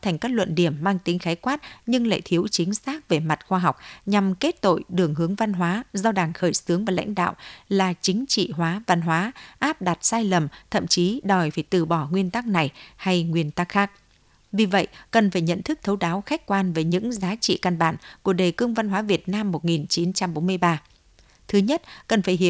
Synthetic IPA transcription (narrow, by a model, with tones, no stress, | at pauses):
t̪ʰa˨˩jŋ̟kaː˦˥k̚lwə̰˧˨nɗi˧˩əmːaː˧ŋt̪ï˨˦ŋ̟xaː˨˦jkwaː˦˥t̚ɲɨ˧ŋla̰ː˧˨jt̪ʰi˨˦əwt͡ɕï˨˦ŋ̟saː˦˥k̚ve˨˩ma˨˩t̚xwaː˧ɦa˨˩wk͡p̚ɲa˨˩mke˦˥t̚t̪o̰˧˨jɗɨ˨˩əŋɦɨ˨˦əŋva˧nɦwaː˨˦zɔ˧wɗaː˨˩ŋxəː˧˩jsɨ˨˦əŋvaː˨˩la̰˧˥ŋ̟ɗa̰ː˧˨wlaː˨˩t͡ɕï˨˦ŋ̟t͡ɕḭ˧˨ɦwaː˨˦va˧nɦwaː˨˦ʔaː˦˥p̚ɗa˨˩t̚saː˧jlə˨˩mt̪ʰə̰˧˨mt͡ɕi˨˦ɗɔ˨˩jvaː˧˩jt̪ɨ˧˩ɓɔ˧˩ŋwi˧ənt̪aː˦˥k̚na˨˩jha˧jŋwi˧˩ənt̪aː˧˥k̚xaː˦˥k̚ | vi˨˩və̰˧˨jʔkə˨˩nfaː˧˩jɲə̰˧˨nt̪ʰɨ˦˥k̚t̪ʰə˨˦wɗaː˨˦wxa˦˥jk̟kwaː˧nve˨˦ɲɨ̰˧˥ŋzaː˨˦t͡ɕḭ˧˨ka˧˩nɓaː˧˩nku˧˩əɗe˨˩kɨ˧əŋva˧nɦwaː˨˦vi˨˩ət̚naː˧mːo˨˩t̚ŋi˨˩nt͡ɕi˨˦nt͡ɕa˧mɓo˨˦nmɨ˧əjɓaː˧ | t̪ʰɨ˨˦ɲə˦˥t̚kə˨˩nfaː˧˩jɦi˧˩˨